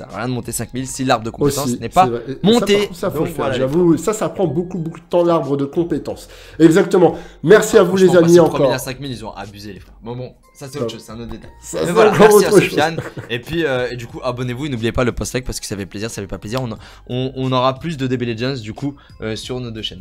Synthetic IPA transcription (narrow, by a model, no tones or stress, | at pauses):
sa̰ʁjɛ̃d̪əmɔ̃t̪esɛ̃kmilsilaʁbʁəd̪əkɔ̃oest̪ɑ̃sisnɛspavʁɛmɔ̃t̪esafofɛlʒavuwisasapχɑ̃bokubokud̪ət̪ɑ̃laʁbʁəd̪əkɔ̃pet̪ɑ̃s | ɛɡzak̚t̪əmɑ̃mɛʁsiavulezammiɑ̃kɔʁisɛ̃k̚mililzɔ̃ʔa̰byzelefχɛʁbɛ̃bɔ̃ | sasɛt̪oʃoz̥sɛɛ̃not̪d̪et̪ajsaɛɑ̃kɔɛʁotsasχəʃoanepɥiøed̪ykuʔabɔnevuenublijepaləpɔst̪ak̚paʁsə̥kə̥safɛpleziʁsafɛpapleziʁɔ̃n | ɔ̃ɔ̃nɔʁaplysd̪əd̪ebeleʒɛ̃nsd̪yku | øsyʁnod̪øʃɛn